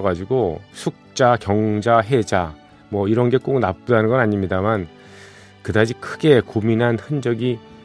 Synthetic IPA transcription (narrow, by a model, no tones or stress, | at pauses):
ɡad͡ʑiɡosʰuk̚t͡ɕ͈akjʌŋd͡ʑaɦe̞d͡ʑa | mwʌiɾʌnɡe̞k͈ok̚nap̚p͈udanɯnɡʌnaɲimɲidaman | kɯdad͡ʑʰikʰɯɡe̞kuminɦanhɯnd͡ʑʌɡi